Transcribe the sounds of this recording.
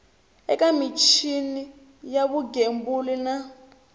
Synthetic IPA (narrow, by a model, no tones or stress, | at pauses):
ɛkamit͡ʃʰini | jaβuɡembulina